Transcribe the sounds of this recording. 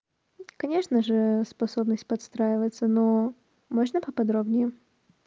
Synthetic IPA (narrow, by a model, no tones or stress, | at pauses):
kɐnʲe̞ʂnəʐɨspɐsobnəsʲtʲpɐt̪st̪ɾajɪvət̪səno | moʐnəpəpɐd̪ɾobnʲɪjɪ